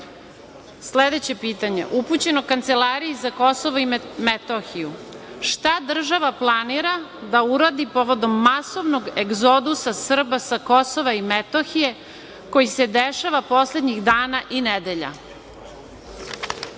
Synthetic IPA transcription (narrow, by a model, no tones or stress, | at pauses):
sled̪et͡ɕe̞piːt̪aɲe̞̰ʔuput͡ɕe̞nokant̪se̞laɾijizako̞soʋoimet̪oxiju | ʃt̪ad̪r̩ʒaʋaplˠaniɾad̪auɾad̪ipo̞ʋo̞d̪o̞mːaso̞ʋno̞ɡeɡzod̪usasr̩basako̞soʋaimet̪oxije̞ | ko̞jise̞d̪eʃaʋapo̞sle̞d̪ɲiɣd̪aːnaʔined̪e̞ʎa̰